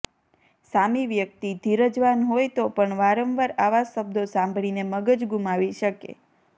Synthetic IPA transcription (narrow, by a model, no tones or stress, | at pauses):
samiʋjək̚t̪id̪ʱiɾəd͡ʒʋanɦojt̪opəɳʋaɾəmʋaɾaʋasːəb̚d̪ʱosãmbʱɭineməɡəd͡ʒɡumaʋiʃəkḛ